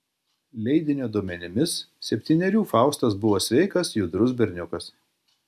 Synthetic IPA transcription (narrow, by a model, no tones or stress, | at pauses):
lʲɛɪd̪ʲɪnʲoːd̪uɔmʲɛnʲɪmʲɪssʲɛpʲt̪ʲiːnʲɛɾʲuːfɑˑʊst̪ɐsbʊʋoːsʲʋʲɛɪkɐsjʊd̪ɾʊs̬bʲɛɾʲnʲʊkɐs